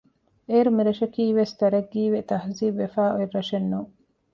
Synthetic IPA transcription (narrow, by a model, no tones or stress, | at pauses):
eːɾumiɾɐʃɐkiːʋest̪ɐɾɐɡːiːʋet̪ɐhziːbʋefaːʔoiɾːɐʃenːu